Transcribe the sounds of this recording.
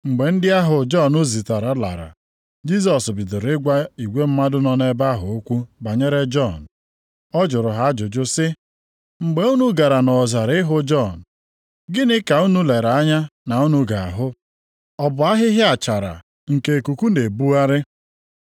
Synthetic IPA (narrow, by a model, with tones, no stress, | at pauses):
ŋ͡m̩˨ɡ͡be˨n̩˦dɪ˦a˦ɦʊ˨d͡ʒɔ˦˨no˦zi˨ta˨ɾa˨˦la̰˨ɾa̰˨ | d͡ʒi˦s̬ɔ˨sbɪ˨dʊ˨ɾɪ˦ɡʷa˦i˨ɡʷe˦m̩˦ma˦dʊ˦nɔ˦ne˦ba˦ɦʊ˨o˦kʷu˦ba˨ɲe˦ɾe˦d͡ʒɔ˦˨n̩˨ | ɔ˦d͡ʒʊ˨ɾʊ˨ɦa˨a˦d͡ʒʊ˨d͡ʒʊ˦sɪ˦ | ŋ͡m̩˨ɡ͡be˨u˦nu˦ɡa˨ɾa˨nɔ˨za˨ɾɪ˦ɦʊ˦d͡ʒɔ˦˨n̩˨ | ɡɪ˦nɪ˦ka˨u˦nu˦le˨ɾa˨a˦ɲa˦na˨u˦nu˦ɡa˨a˨ɦʊ˦ | ɔ˦bʊ˨a˦ɦɪ˦ɦɪ˦a˨t͡ʃa˨ɾa̰˨ | ŋ̩˨ke˨ku˨ku˦ne˨bu˦a˦ɾɪ˦